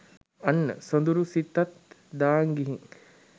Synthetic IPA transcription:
anːə̰sond̪uɾusit̪ːat̪d̪aːŋɡiɦiŋ

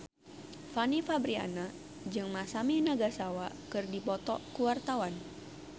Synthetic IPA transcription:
fanifabɾia̰na | d͡ʒɨŋmasaminaɡasawakɨrdipɔt̪ɔkuwart̪awan

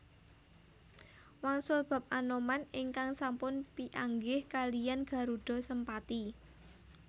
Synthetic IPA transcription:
waŋsʊlb̥ä̤p̚ʔanomanɪŋkaŋsampʊnpiʔaŋɡɪhkalijanɡ̥a̤ɾuɖ̥ɔ̤səmpat̪i

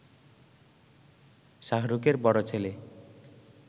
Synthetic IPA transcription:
ʃaɦɾukeɾbɔɽot͡ɕʰele

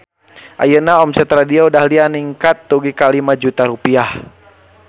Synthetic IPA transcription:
ʔa̰jənaɔmsɛt̪ɾadiaudahlianiŋkat̪ːuɡikalimad͡ʒut̪aɾupiah

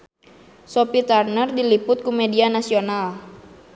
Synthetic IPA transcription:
sopit̪arnərdilipʊt̪̚kumɛdianasional

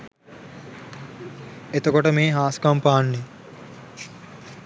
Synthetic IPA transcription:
et̪okoʈəmeːɦaːskɐmpaːnːe

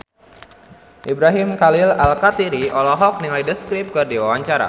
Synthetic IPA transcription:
ʔibɾaɦimkalɪlalkat̪iɾiʔɔlɔɦɔk̚niŋajdəskɾɪp̚kɨrdiwawaɲt͡ʃaɾa̰

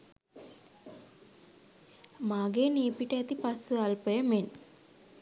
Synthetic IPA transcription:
maːɡeːniːpiʈəet̪ipasːualpəjəmen

